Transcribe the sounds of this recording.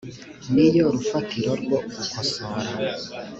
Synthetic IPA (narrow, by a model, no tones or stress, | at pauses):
nijoɾufatiɾoɾɡwoɡukosoɾa